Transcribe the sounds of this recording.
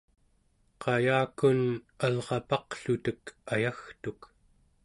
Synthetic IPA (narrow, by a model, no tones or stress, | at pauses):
qʰɑjaːkun | alʁɑpɑqɬut̪əkajaxt̪uk